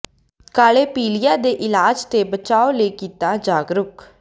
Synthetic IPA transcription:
kaːleːpiːlɪjaːd̪eːʔɪlaːd͡ʒt̪eːbət͡ʃaːoːleːkiːt̪aːd͡ʒaːɡɾʊk

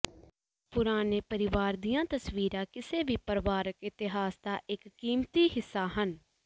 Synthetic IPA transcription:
pʊɾaːneːpəɾɪʋaːɾd̪ijãːt̪əsʋiːɾãːkɪseːʋiːpəɾʋaːɾəkɪt̪ɪɦaːsd̪aːʔɪkːiːmt̪iːɦɪsːaːɦən

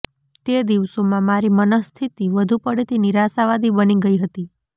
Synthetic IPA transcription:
t̪ed̪iʋsomãmaɾimənəst̪ʰit̪iʋəd̪ʱupəɽet̪iniɾasaʋad̪ʱibəniɡəiɦət̪i

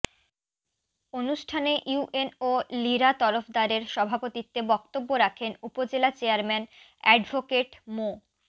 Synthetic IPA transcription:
onuʃʈʰaneʔjuʔenoliɾat̪ɔɾofd̪aɾeɾʃɔbʱapot̪it̪ːebɔkt̪obːoɾakʰenupod͡ʑelat͡ɕeaɾmɛn | ɛɖbʱokeʈmo

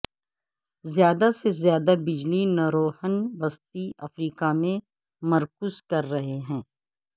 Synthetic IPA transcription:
zjaːd̪asezjaːd̪abɪd͡ʒlinaɾoːhənʋɐst̪iʔɐfɾiːkamẽ | mɐɾkʊzkɐɾːɐɦeɦɛ̃ː

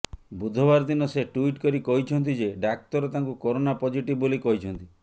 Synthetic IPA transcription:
bud̪ʱɔbaɾd̪inɔseʈuiʈkɔɾikɔɦit͡ʃʰɔnt̪id͡ʒeɖak̚t̪ɔɾɔt̪aŋkukɔɾonapɔd͡ʒiʈibbolikɔɦit͡ʃʰɔnt̪i

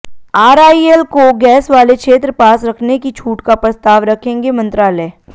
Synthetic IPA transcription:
aːɾaːielkoɡɛːsʋaːlekʃeːt̪ɾəpaːsɾɐkʰnekit͡ʃʰuːʈkapɾɐst̪aːʋɾɐkʰẽːŋɡemɐ̃nt̪ɾaːleː

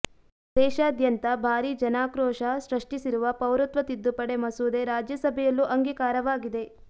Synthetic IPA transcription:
d̪ɛːʃɐːd̪jɐnt̪ɐbʱaːɾid͡ʒɐnaːkɾɔːʂɐsɾɐʂʈisiɾuʋɐpɐwɾut̪ʋɐt̪id̪ːupɐɽe̞mɐsuːd̪e̞ɾaːd͡ʒjɐsɐbʱɛjɐlːuʔɐŋɡikaːɾɐʋaːɡid̪e̞

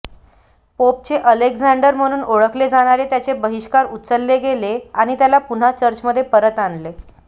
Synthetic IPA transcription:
pop̚t͡ɕeʔəleɡd͡zaɳɖəɾm̤əɽ̃uːnoɭəkled͡zaɽ̃aɾet̪jat͡sebəɦiʂkaɾut̪t͡səlːeɡeleaɽ̃it̪jalapun̤at͡ɕəɾt͡ɕməd̪ʱːjepəɾət̪anle

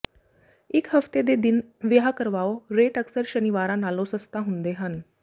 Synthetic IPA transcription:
ikhəft̪ed̪ed̪inʋəɦakəɾʋaʋoɾeʈəksəɾɕəniʋaɾãnalosəst̪aɦũnd̪eɦan

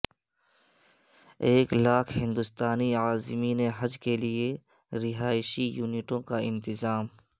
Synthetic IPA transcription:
eːklaːkʰhɪ̃nd̪ʊst̪aːniaːzmineɦɐd͡ʒkelie | ɾɪɦaːɪʃijuːnɪʈõkaɪ̃nt̪ɪzaːm

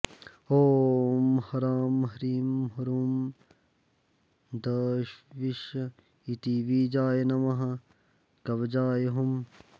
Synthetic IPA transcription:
oːmhɐɾaːmɦɐɾiːmɦɐɾuːm | d̪ɐːɕʋiʃ | it̪iʋiːd͡ʒaːjenɐmɐɦɐ | kɐbd͡ʒaːjeɦum

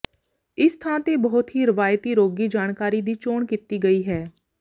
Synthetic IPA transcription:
ɪst̪ʰãːt̪eːbəɦʊt̪ɦiːɾɪʋaːjt̪iːɾoːɡiːd͡ʒaːɳkaːɾid̪iːt͡ʃoːɳkit̪iːɡəiːɦɛː

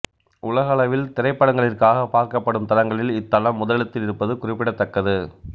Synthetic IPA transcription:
ʔʊlɐɣɐɐɭɐʋɪlt̪ɪɾɐɪpːɐɽɐŋɡɐɭɪrkaːɣɐpaːɾkɐpːɐɽɯmt̪ɐɾɐŋɡɐɭɪlɪt̪ːɐlɐmːʊðɐɭɐt̪ːɪlɪɾɯpːɐðɯkʊrɪpːɪɽɐt̪ːɐkːɐðɯ

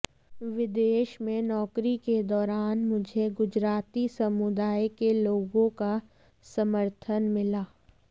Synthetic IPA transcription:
ʋɪd̪eːʃmẽnɔːkɾiked̪ɔːɾaːnmʊd͡ʒʱeɡʊd͡ʒɾaːt̪isɐmʊd̪aːjkeloːɡõka | sɐməɾt̪ʰənmɪlaː

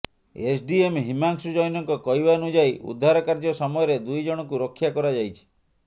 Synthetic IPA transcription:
esʰɖiemɦimaŋksud͡ʒɔjɔnɔŋkɔkɔjbanud͡ʒajʔṵd̪ʱːaɾɔkaɾd͡ʒɔsɔmɔjɔɾed̪ujd͡ʒɔɽ̃ɔkuɾɔkʰːjakɔɾad͡ʒajt͡ʃʰi̥

